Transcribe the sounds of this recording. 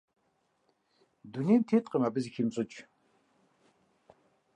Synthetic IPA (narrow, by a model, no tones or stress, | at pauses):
d̪unijmtʰeːtʼqʼəmabɨzikʰimɕʼɨt͡ʃʼ